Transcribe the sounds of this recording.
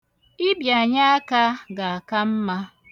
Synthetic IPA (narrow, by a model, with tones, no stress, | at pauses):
ɪ˦bja˨ɲa˦a˦ka˦ɡa˨a˨ka˦m̩˦ma˦